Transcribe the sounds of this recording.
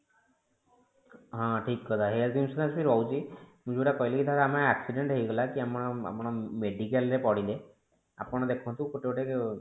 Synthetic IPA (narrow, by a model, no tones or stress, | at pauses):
ɦɔ̃ʈʰikːɔd̪aɦelt̪imsɔd̪asbiɾɔwut͡ʃʰimũd͡ʒbuʈakɔjlekit̪at̪aamaaksiɖeɳʈɦejɡɔlakiamɔɽ̃ɔa̰pɔɽ̃ɔmeɖikelɾepɔɽile | a̰pɔɽ̃ɔd̪ekʰɔ̃nt̪ũkoʈeɔʈe